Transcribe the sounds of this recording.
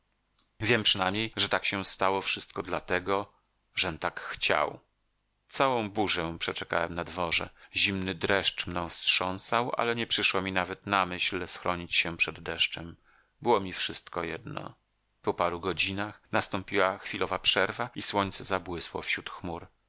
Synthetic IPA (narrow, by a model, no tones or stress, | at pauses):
vʲjɛmpʂɨnajmɲejʐɛt̪akɕɛ̃st̪awɔfʂɘst̪̚kɔd̪lat̪ɛɡɔ | ʐɛnt̪akxt͡ɕa̰w | t̪sawɔ̃w̃buʐɛ̃pʂɛt͡ʂɛka̰wɛmnad̪vɔʐɛ̰ʑimnɘd̪ɾɛʂt͡ʂmnɔ̃w̃fstʂɔ̃w̃sawʔa̰lɛɲɛpʂɘʂwɔmʲinavɛt̪namɘɕlsxɾɔɲit͡ɕɕɛpʂɛd̪ːɛʂt͡ʂɛm | bɘwɔmʲifʂɘst̪kɔjɛd̪nɔ̰ | pɔpaɾuɡɔd͡ʑinaxnast̪ɔmpʲiwaxfʲilɔvapʂɛɾvaiswɔɲt̪sɛzabwɘswɔ̰fɕut̪xmuɾ